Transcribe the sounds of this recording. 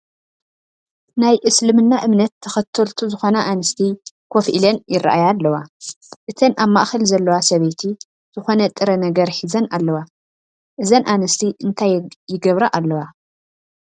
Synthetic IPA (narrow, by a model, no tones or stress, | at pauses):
najʔɨslɨmɨnːaʔɨmnɐt̪ʰːɐxɐt̪ʰɐlt̪ʰuzɨxo̞nɐʔanɨst̪ʰi | kʰofʔilɐnjɪra̰ʔajalːɐwa | ʔɨt̪ʰɐnaβmaʔxɐlzɐlːɐwasɐβet̪ʰi | z̥ɨxo̞nɐt̪ʼɨɾɐnɐɡɐɾħizɐnʔalːɐwa | ʔɨzɐnʔanɨst̪ʰiʔɨnt̪ʰajjɪɡɐβɾaʔalːɐwa